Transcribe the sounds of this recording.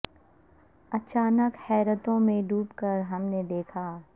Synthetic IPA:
ɐt͡ʃaːnəkhɛːɾət̪õmẽɖʱuːpkəɾɦɐmned̪eːkʰaː

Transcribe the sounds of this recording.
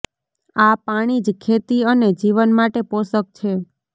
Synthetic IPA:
apaɽ̃id͡ʒkʰet̪iəned͡ʒiʋənmaʈeposək̚t͡ʃʰe

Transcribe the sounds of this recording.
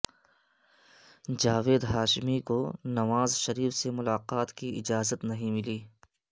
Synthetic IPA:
d͡ʒaːʋeːd̪ɦaːʃɪmikonɐʋaːzʃɐɾiːfsemʊlaːqaːt̪kiɪd͡ʒaːzət̪nɐɦĩmɪliː

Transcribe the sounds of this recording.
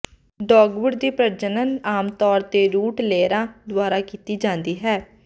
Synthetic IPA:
ɖɔːɡʋəɽd̪iːpɾəɾd͡ʒənənaːmt̪ɔːɾt̪eːɾuːʈleːɾãːd̪ʊaːɾaːkiːt̪iːd͡ʒãːnd̪iːɦɛː

